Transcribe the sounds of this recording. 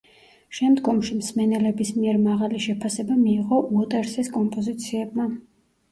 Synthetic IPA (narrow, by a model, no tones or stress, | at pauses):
ʃɛmd̪ɡɔmʃimsmɛnɛlɛbismiɛɾmaʁaliʃɛpʰasɛbamiːʁɔmɔt̪ʼɛɾsɛskʼɔmpʼɔzit̪sʰiɛb̚ma